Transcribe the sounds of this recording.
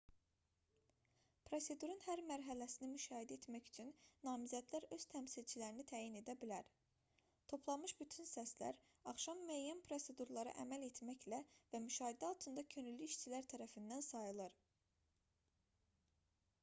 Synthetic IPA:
pʰɾo̞se̞d̪uɾunhæɾmæɾɦælæsinimyʃɑːɦid̪æet̪mæçyt͡ʃʰynːɑːmizæd̪læɾø̞z̥t̪ʰæmsilt͡ʃʰilæɾinit̪ʰæːjine̞d̪æbilæɾ | t̪ʰo̞pʰlˠɑmɯʃbyt̪ʰynsæslæ̰ɾ | ɑχʃɑmːyæjːænpʰɾo̞se̞d̪uɾlˠɑɾɯ̰ʔæ̰mæle̞t̪ʰmæçlævæmyʃɑːɦid̪æɑlˠt̪ʰɯnd̪ɑcʰø̞nylːyiʃt͡ʃʰilæɾt̪ʰæɾæfind̪ænsɑjɯlˠɯɾ

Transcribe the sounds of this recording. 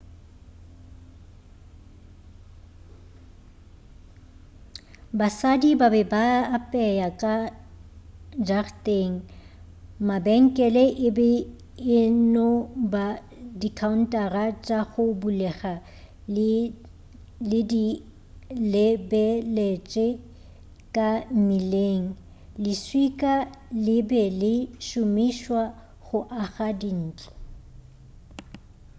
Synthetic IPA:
basadibabɛbaːpʼɛjakʼa | d͡ʒartʼeŋ̩ | mabɛŋ̩kʼɛlɛʔɪbɛ | ɪnʊba | dikʰaun̩tʼarat͡ʃʼaɣʊbulɛχa | lɪdi | lɪbɛlet͡ʃʼɛ | kʼam̩mileːŋ̩ | lɪswikʼalɪbɛlɪʃʊmiʃwa | ɣʊʔaχadin̩ːt͡ɬʼɔ̥

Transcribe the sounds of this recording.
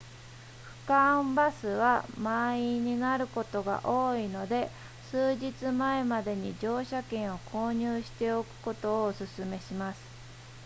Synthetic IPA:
ɸɯ̟̥kãmbasɨβamaiɲ̟inaɾɯ̟ko̞t̪o̞ɡa̰ʔo̞ːino̞d̪e̞ | sɨːʑit͡sɨmae̞mad̪e̞ɲ̟id͡ʑo̞ːɕakẽ̞ɰ̃o̞kʰo̞ːɲ̟ɨːɕi̥t̪e̞o̞kɯ̟̥ko̞t̪o̞ːsɨsɨme̞ɕimasɨ̥

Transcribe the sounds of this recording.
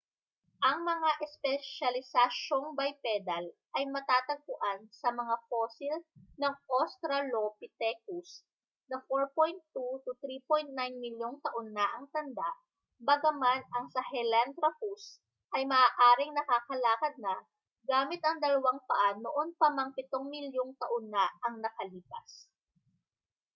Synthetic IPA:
ʔɐŋmɐŋaʔɛspɛʃɐlɪsɐʃo̞ŋbɐjpɛd̪ɐlʔɐjmɐt̪aːt̪ɐɡ̚pʊʔansɐmɐŋafoːsɪlnɐŋʔost̪ɾɐlopɪt̪ɛkus | nɐfoɹpojnt̪ːut̪ut̪ɾipojnt̪̚najnmɪljoŋt̪ɐʔonːɐʔɐŋt̪ɐnd̪aʔ | bɐɡɐmanʔɐŋsɐhɛlant̪ɾɐpus | ʔɐjmɐʔaːʔaːɾɪŋnɐkakɐlaːkɐd̪̚nɐ | ɡaːmɪt̪ɐŋd̪ɐlɐwaŋpɐʔanʊʔonpɐmɐŋpɪt̪o̞ŋmɪljoŋt̪ɐʔonːɐɐŋnɐkɐliːpɐs

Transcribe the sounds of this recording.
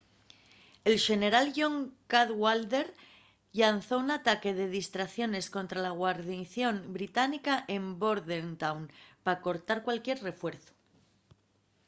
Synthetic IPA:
e̞lʃe̞ne̞ɾalʝo̞ŋkaðɣwald̪e̞ɾ | ʎanθo̞unat̪ake̞ð̞e̞ð̞ist̪ɾaθjo̞ne̞sko̞nt̪ɾalaɣ̞waɾðiθjo̞mbɾit̪anikaʔe̞mbo̞ɾðent̪awnpako̞ɾt̪aɾkwalkje̞ɾre̞fwe̞ɾθo̥

